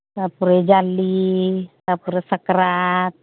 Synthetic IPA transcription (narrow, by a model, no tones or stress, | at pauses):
tapuɾed͡ʒalːitapuɾesəkɾat̪